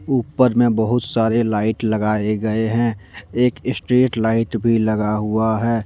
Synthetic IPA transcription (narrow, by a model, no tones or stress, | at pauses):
uːpːəɾmẽbəɦʊt̪saːɾelaːɪʈləɡaːeɡɐeɦɛ̃eːkɪsʈɾeːʈlaːɪʈbʱilɐɡaɦuaɦɛː